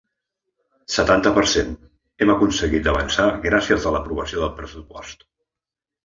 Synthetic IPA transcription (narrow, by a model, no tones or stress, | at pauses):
sət̪ant̪əpəɾsen | ɛməkunsəɣit̪̚d̪əβə̰nsaɣɾasiəzələpɾuβ̞əsioðəlˠpɾəsupɔst̪